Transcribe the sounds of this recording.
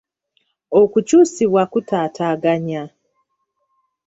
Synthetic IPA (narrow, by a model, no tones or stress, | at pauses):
o̞kucuːsiβwakutaːtʰaːɡaɲa